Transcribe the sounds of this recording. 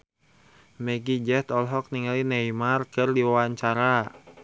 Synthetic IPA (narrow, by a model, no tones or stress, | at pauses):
mɛɡid͡ʒɛt̪ɔlɦɔk̚niŋalinɛimarkɨrdiwawaɲt͡ʃaɾa